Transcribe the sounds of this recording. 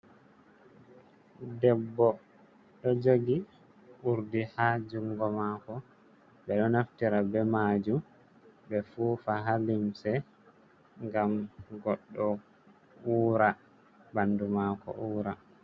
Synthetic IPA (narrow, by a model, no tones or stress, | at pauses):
dɛbːɔ | ɗɔd͡ʒoɡi | uɾdihad͡ʒuŋɡɔmaːkɔ | bɛɗɔnaftiɾabɛmad͡ʒum | bɛfuːfaɦalimsɛ | ŋɡamɡɔɗːɔ | uːɾa | bandumakɔ̰ʔuːɾa